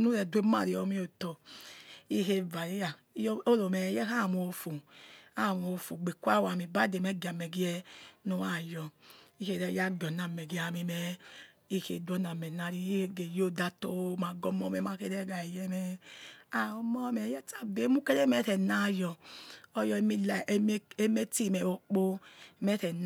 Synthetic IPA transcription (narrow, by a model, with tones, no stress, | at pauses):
nu˦ɾɛ˨dwe˦ma̰˨ɾi˨˦ɔ˨˦mi˦o˨tɔ˨ | i˦he˦va˨ɾi˦ja˨˦jo˦lo˨mɛ˨˦jɛ˦ka˦˨m˨o˨fu˨a˦˨m˨o˨fu˨ɡ͡be˨kʷa˦˨wa˨mi˨ba˦de˨mɛ˨˦ɡa˨mɛ˨ɡi˦ɛ˦nu˦wa˦˨jɔ˨i˦he˨ɾɛ˦ja˦ɡɔ˨na˨mɛ˨ɡi˨˦a˨mi˧mɛ˦ | i˦kḛ˨dɔ˦na˨mɛ˨na˨ɾi˦˨ɡe˨jo˦da˧to˦ma˨ɡɔ˧mɔ˧˦mɛ˨ma˧ke˧˦dɛ˦ɡa˨jɛ˧mɛ˦a˨o˦mɔ˦mɛ˨˦jɛ˦ta˦˨be˨˦mu˦ke˦ɾe˦mɛ˨˦tɛ˨na˦˨jɔ˨ɔ˧jɔ˧˦mi˦lm˦e˦me˦ti˦˨mɛ˨wo˨k͡po˦˨mɛ˦tɛ˨n